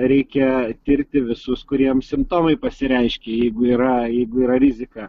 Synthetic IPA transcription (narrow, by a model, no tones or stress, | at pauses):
ɾʲɛɪkʲɛt̪ʲɪɾʲt̪ʲɪʋʲɪsʊskʊɾʲiɛmsʲɪmpt̪oːmɐɪpɐsʲɪɾʲɛɪʃʲkʲɛjɛɪɡʊiːɾɐjɛɪɡʊiːɾɐɾʲɪzʲɪkɑː